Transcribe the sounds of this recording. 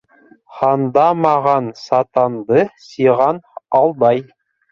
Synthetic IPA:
χɑnd̪ɑmɑʁɑnsɑt̪ɑnd̪ɤsiʁɑnɑlˠd̪ɑj

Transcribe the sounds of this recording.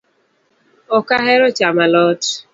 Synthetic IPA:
ʊkaɦeɾʊt͡ʃamalɔtʊ̥

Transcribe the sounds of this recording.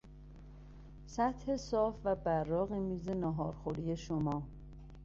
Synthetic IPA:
sæt̪he̞sɒːfvæbæɾːɒːɣimiːze̞nɒːɦɒːɾxoɾiːje̞ʃomɒː

